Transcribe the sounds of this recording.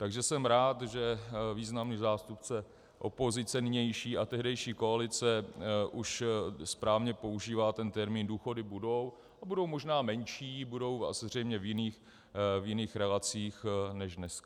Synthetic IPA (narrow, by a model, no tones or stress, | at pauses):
t̪aɡʒɛsɛmɾaːt̪ʒɛviːznamniːzaːst̪upt͡sɛ | ʔo̞po̞zɪt͡sɛnɪɲɛjʃiːʔat̪ɛɦdɛjʃiːko̞alɪt͡sɛʔuʃspɾaːvɲɛpo̞uʒiːvaːt̪ɛnt̪ɛɾmiːnduːxo̞dɪbudo̞w | abudo̞wmo̞ʒnaːmɛɲʃiːbudo̞wa̰szr̝ɛjmɲɛvjɪniːx | vjɪniːxɾɛlat͡siːxnɛʒdnɛskḁ